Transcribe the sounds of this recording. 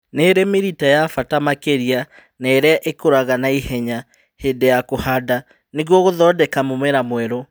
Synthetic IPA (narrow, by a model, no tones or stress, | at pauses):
neɾemeɾitajafatamakeɾia | naeɾeaʔekoɾaɣanaihɛɲa | hedejakohada | neɣwɔɣoðɔdɛkamomɛɾamwɛɾo